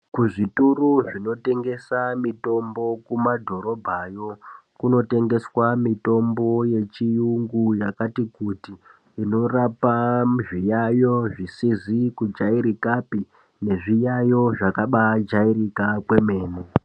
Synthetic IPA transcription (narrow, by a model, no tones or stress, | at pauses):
kuʐituruʐino̞te̞ŋɡe̞samito̞mbo̞kumadʱo̞ɾo̞bʱajo̞kuno̞te̞ŋɡe̞swamito̞mbo̞je̞t͡ʃijuŋɡujakatikutiː | no̞rapaʐijajo̞ʐisizikud͡ʒaiɾikapi | ne̞ʐijajo̞ʐakaɓad͡ʒairikakwe̞me̞ːne